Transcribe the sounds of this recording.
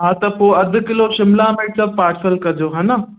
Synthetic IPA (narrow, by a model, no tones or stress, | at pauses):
ɦãːt̪ɐpoːɐd̪ʱʊ̆kɪloʃɪmlameːʈsɐb̚paːɾʈsəlkɐd͡ʑoːɦaːnɐ